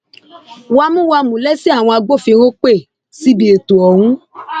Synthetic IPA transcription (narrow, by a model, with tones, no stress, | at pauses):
wa˧mũ˦wa˧mũ˨lɛ˦si˦a˦˨w̃ɔ̃˧a˧ɡ͡bo˦˨fi˧ɾ̃o˦k͡pe˦˨ | si˦bi˧e˨tu˨ɔ˨w̃ũ˦